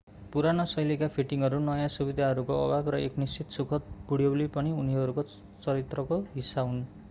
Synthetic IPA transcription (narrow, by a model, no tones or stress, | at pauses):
puɾanʌsʌjlekapʰiʈiŋɦʌɾunʌjãsubid̪ʱaɦʌɾukoʌ̰babrʌeknist͡sit̪sukʰʌt̪̚buɽijʌwlepʌniuniɦʌɾuko | t͡sʌɾit̪rʌkoɦisaun